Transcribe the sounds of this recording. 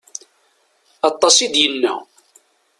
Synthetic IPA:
ɑt̪ˤːɑsˤid̪jənːæ̰

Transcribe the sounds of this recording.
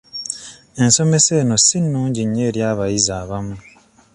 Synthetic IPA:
e̞nso̞me̞se̞ːno̞sinːuːɲɟiɲːeːɾjaːβajizaːβamu

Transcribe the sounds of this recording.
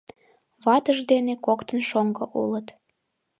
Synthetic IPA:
βɑt̪əʒd̪enekokt̪ənʃoŋɡoʔṵlət̪

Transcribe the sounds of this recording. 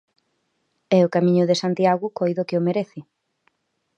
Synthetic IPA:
ɛʊkamĩɲʊðɪsant̪jaɣʊkojðokɪomeɾeθɪ

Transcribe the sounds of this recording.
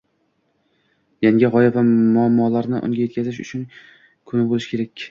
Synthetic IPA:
jaŋɡʲɪʁɒjavamʊamːɒlaɾnɪʔʊ̰ŋɡʲaje̞t̪̚ʲkʰʲazɪʃ̬ʊ̰t͡ʃʰʊn | kʰʊnɪbolɪʃkʲʰe̞ɾakʲ

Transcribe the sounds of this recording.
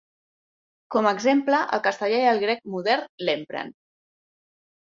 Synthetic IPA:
kɔməːɡzempləʔə̰lˠkəst̪əʎaiəlˠɣɾɛk̚muðɛɾnlempɾə̰n

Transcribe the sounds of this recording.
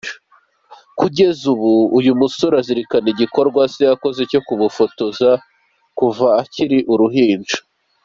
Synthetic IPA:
kuɟe̞zuβuːjumusoɾaziɾikaniɟiko̞ɾɡwasejako̞ze̞co̞kuβufotoza | kuvaːciɾiʔuɾuɦiːnd͡ʒo̥

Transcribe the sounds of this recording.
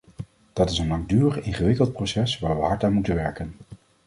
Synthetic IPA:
d̥ɑtɪsənlɑŋɡ̚dyːrəχɪnχəʋɪkəlˠt̚prosɛsʋaːɹʋəɦɑɹtaːnmutənʋɛɹkən

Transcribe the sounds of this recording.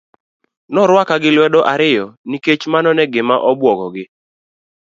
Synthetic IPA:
nɔɾwakaɡɪlwɛdɔʔaɾɪjɔniket͡ʃmanɔnɛɡɪmaʔɔbwɔɡɔɡɪ

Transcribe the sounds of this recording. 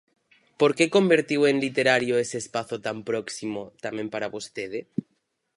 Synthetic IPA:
poɾkekombeɾt̪iweŋlit̪eɾaɾjoeseːspaθot̪ampɾoksimot̪amẽmpaɾaβost̪eð̞e

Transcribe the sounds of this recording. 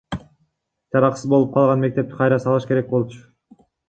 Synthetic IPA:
d͡ʒɑɾɑqsɯzbolˠup̚qʰɑlˠʁɑnme̞k̚t̪e̞p̚t̪i̥qʰɑjɾɑsɑlˠɯʃke̞ɾek̚bo̞lˠt͡ʃʰʊ̥

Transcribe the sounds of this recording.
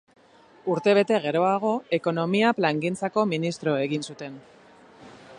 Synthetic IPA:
uɾt̪e̞β̞e̞t̪e̞ɣe̞ɾo̞aɣ̞o̞e̞ko̞no̞miaplaŋɡint͡sako̞minist̪ɾo̞e̞ɣinsut̪e̞n

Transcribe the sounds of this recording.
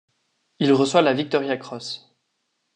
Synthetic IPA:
ilʁəswalavik̚t̪ɔʁjakχɔs

